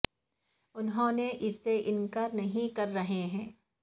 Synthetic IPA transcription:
ʊnɦõːneʔɪsːeʔɪnkaɾnɐɦĩkɐɾːɐɦeɦɛ̃ː

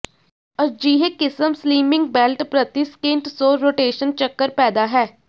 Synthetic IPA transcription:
əd͡ʒiːɦekɪsəmsliːmɪ̃ŋɡ̚bɛːlʈpɾət̪iskɪ̃ɳʈsoːɾoːʈeːʃənt͡ʃəkːəɾpɛːd̪aːɦɛː

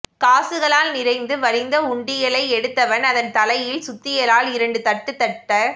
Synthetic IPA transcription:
kaːsɯɣɐɭaːlnɪɾɐɪnd̪ɯʋɐɾɪnd̪ɐʊɳɖɪjɐɭɐɪɛɽɯt̪ːɐʋɐnɐðɐnt̪ɐlɐjɪlsʊt̪ːɪjɐlaːlɪɾɐɳɖɯt̪ɐʈːɯt̪ːɐʈːɐ

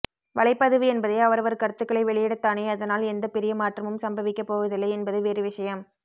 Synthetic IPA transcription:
ʋɐɭɐɪpːɐðɯʋɯɛnbɐðɐɪɐʋɐɾɐʋɐɾkɐɾt̪ːɯkːɐɭɐɪʋɛɭɪjɛɽɐt̪ːaːneːɐðɐnaːlɛnd̪ɐpɪɾɪjɐmaːʈrɐmɯmsɐmbɐʋɪkːɐpːoːʋɐðɪlːɐɪɛnbɐðɯʋeːɾɯʋɪʂɐjɐm

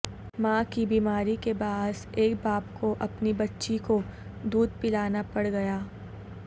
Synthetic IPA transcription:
mãːkibiːmaːɾikebaːseːkbaːpkʰoʔɐpnibɐtːʃiko | d̪uːd̪̚pɪlaːnapɐɽɡɐjaː

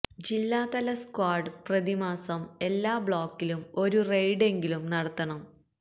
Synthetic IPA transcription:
d͡ʑilːaːt̪ɐlɐskwaːɖɨprɐðimaːsɐme̞lːaːbɭoːkːilumo̞ɾurejɖe̞ŋɡilumnɐɽɐt̪ːɐɳɐm

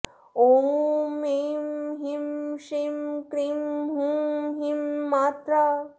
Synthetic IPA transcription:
oːmemɦimʃimkɾimɦũɦimːaːt̪ɾa

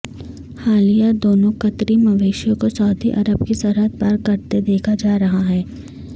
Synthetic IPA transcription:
haːlijad̪oːnõkɐt̪ɾimɐʋeːʃjõkosaʊd̪ʱiʔɐɾəbkisɐɾɦət̪̚baɾkɐɾt̪ed̪eːkʰad͡ʒaːɾɐɦaɦɛː

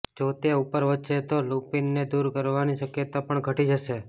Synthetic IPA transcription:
d͡ʒot̪eupəɾʋətːʃet̪olupinːed̪uɾkəɾʋaniʃəkjət̪apəɳɡʱəʈid͡ʒəʃe

